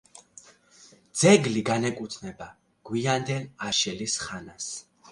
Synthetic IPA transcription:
d̪z̥ɛɡliɡanɛkʼut̪ʰnɛba | ɡ̥wiand̪ɛlaʃɛlisχanas

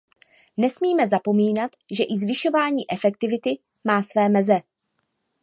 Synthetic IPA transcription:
nɛsmiːmɛzapo̞miːnat̪ʒɛʔɪzvɪʃo̞vaːɲiːʔɛfɛk̚t̪ɪvɪt̪ɪ | maːsvɛːmɛzɛ

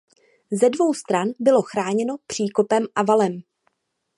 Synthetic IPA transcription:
zɛdvo̞wst̪ɾanbɪlo̞xɾaːɲɛno̞pr̥iːko̞pɛmʔavalɛm

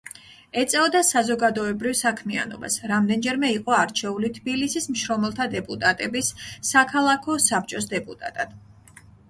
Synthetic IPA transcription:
ɛt̪sʼɛɔd̪asazɔɡad̪ɔɛbɾivsakʰmia̰nɔ̰ba̰sɾamd̪ɛnd͡ʒɛɾmɛiqʼɔaɾt͡ʃʰɛulit̪ʰbilisismʃɾɔmɛlˠt̪ʰad̪ɛpʼut̪ʼat̪ʼɛbisːakʰalˠakʰɔsap̚ʰt͡ʃʼɔsd̪ɛpʼut̪ʼa̰t̪ʼad̪̥

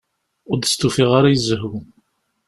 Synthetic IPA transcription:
ʊɾd̪əst̪ufiʁaɾajəzːɦu

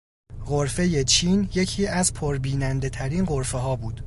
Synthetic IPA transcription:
ɢoɾfe̞je̞t͡ʃʰiːnje̞cʰiːæzpʰoɾbiːnænd̪e̞t̪ʰæɾiːnɢo̞ɾfeɦɒːbuːd̪̥

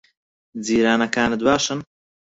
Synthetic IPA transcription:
d͡ziːɾaːnɐkaːnɨd̪waːʃɐn

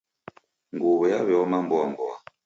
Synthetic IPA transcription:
ŋɡoβɛjaβɛɔmambɔambɔa

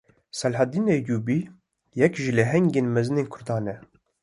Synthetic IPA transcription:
sɛlħad̪iːnejuːbiː | jɛkʒilɛɦɛŋɡeːnmɛzɨneːnkʰʊɾd̪ɑːnɛ

